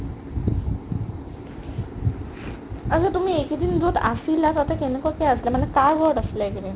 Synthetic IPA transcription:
əd͡zət̪um̤iːekd̪iːnd͡zot̪asilat̪ət̪akenikɔkeəslamənːakajɡʱɔʈəsljakiɾi

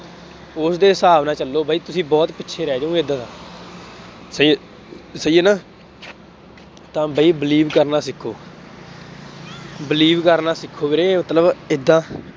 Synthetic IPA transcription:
ʊsd̪eːsaːbnãːt͡ʃəlːoːbʱaːiːt̪ʊsĩːbɔːt̪pɪtːʃʰeːɾɛːd͡ʒũːed̪ãːsãː | sə | səieːnãː | t̪ãːbʱaːiːbəliːbkəɾnaːsɪkʰːoː | bɪliːbkəɾnãːsɪkʰːoːbeɾeːmət̪ləbɪd̪ːãː

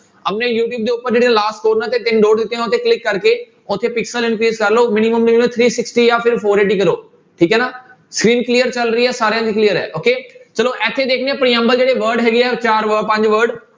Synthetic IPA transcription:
əpnẽːjuːʈ̬juːb̚d̪eːʊpːəɾd͡ʒeːɽiãlaːsʈkoːɾnãːt̪eːʈɪŋɖoːɖd̪ɪt̪ːeɦãːʊt̪ʰːeːklɪkːəɾkeː | ʊt̪ʰːeːpɪksəlɪ̃nkɾiːzkəɾloːmɪnɪməmnɪẽt̪ʰɾiːsɪksʈiːjãːpʰɪɾpʰoːɾeːʈiːkəɾoː | ʈʰiːkɦɛːnaː | skɾiːnklijəɾt͡ʃəlɾəiːɛːsaːɾejãːd̪iːklijəɾɛ̰ːʔoːkeːt͡ʃəloːʔɛːt̪ʰːeːd̪eːkʰneːəpɽ̃iːə̃mbəld͡ʒeːɽeːʋəɾɖɦɛːɡeːɛːt͡ʃaːɾʋəpə̃ɲd͡ʒʋəɾɖ

